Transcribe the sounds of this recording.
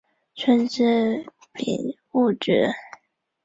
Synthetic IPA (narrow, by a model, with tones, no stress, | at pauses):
t͡ɕʰə˥nʈ͡ʂɻ̩˥˩ | pḭ˨˩n | u˥˩ʈ͡ʂɻ̩˨˩˦